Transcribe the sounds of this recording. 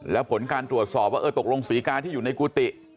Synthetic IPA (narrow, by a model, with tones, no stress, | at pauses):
lɛ˦˥pʰo˩˦nkaː˧nt̪ɾu˨˩ət̪̚sɔː˨˩p̚waː˦˥˩ʔɤː˧t̪o˨˩k̚lo˧ŋsiː˩˦kaː˧nt̪ʰiː˥˩juː˨˩na˧jkuː˧t̪i˨˩